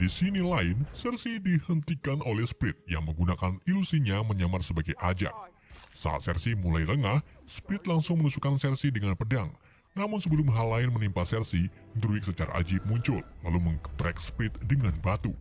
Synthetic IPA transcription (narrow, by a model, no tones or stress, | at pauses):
disinilaɪnsɛrsidihənt̪ikanʔolɛhspɾɪt̪̚ja̰ŋməŋɡunakanilusiɲaməɲamarsəbaɡajʔad͡ʒa̰ʔ̚ | sa̰a̰t̪̚sɛrsimulajɾəŋahspɾɪt̪̚laŋsʊŋmənusukansɛrsidəŋanpədaŋ | namʊnsəbəlʊmɦalaɪnmənimpasɛrsi | nd̪ɾuɪk̚sət͡ʃaɾa̰ʔa̰d͡ʒɪp̚muɲt͡ʃʊllaluməŋkəbɾɛk̚spɾɪt̪̚dəŋanbat̪u